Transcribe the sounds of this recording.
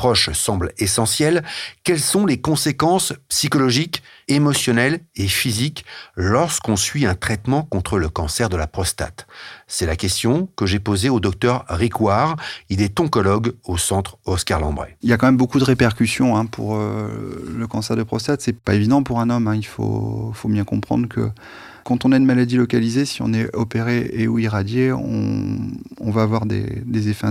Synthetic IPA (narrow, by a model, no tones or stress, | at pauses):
pχɔʃsɑ̃blesɑ̃sjɛlkʲɛlsɔ̃lekɔ̃sekɑ̃spsikɔlɔʒikemɔsjɔnɛlefiziklɔʁskɔ̃sɥiɛ̃t̪χɛt̪mɑ̃kɔ̃t̪χələkɑ̃sɛʁd̪əlapχɔst̪a̰t̪sɛlakʲɛst̪jɔ̃kəʒepozeod̪ɔk̚t̪œʁːikwaʁilɛt̪ɔ̃kɔlɔɡosɑ̃t̪χɔskaʁlɑ̃bʁḛiljakɑ̃mɛmbokud̪əʁepɛʁkʲysjɔ̃ɛ̃pʰṵʁø | ləkɑ̃sɛʁd̪əpχɔst̪at̪sɛpaevid̪ɑ̃puʁɛ̃nɔmɛ̃ilfo̰fobjɛ̃kɔ̰̃pχɑ̰̃d̪ʁəkə̰ | kɑ̃t̪ɔ̃naynmalad̪ilɔkalizesiɔ̰̃nɛɔpeʁeeuiʁad̪jeɔ̰̃ː | vaːvwaʁd̪ḛd̪ezefɛ̰̃